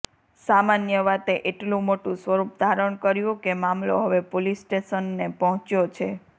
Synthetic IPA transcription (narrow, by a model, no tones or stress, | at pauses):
samanjəʋat̪eʔeʈlũmoʈũsʋəɾup̚d̪ʱaɾəɽ̃kəɾjũkemamlo̰ɦəʋepolisʈeʃənːepɔɦɔ̃t͡ʃjot͡ʃʰe